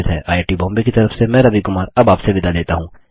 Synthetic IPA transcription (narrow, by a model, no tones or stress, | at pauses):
ɪt̪ɦɛ̰ːʔaːeːʈibɔ̃ːmbekit̪ɐɾəfsemɛ̃ːɾɐbikʊmaːɾɐbaːpseʋɪd̪aleːt̪aɦũː